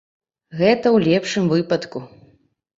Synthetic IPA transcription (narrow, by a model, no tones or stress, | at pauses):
ɣɛt̪ɐwlʲɛpʂɨmvɨpɐt̪ku